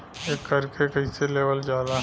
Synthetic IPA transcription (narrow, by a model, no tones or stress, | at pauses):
ekːɐɾkekɐiseleːʋəld͡ʒjaːd̪a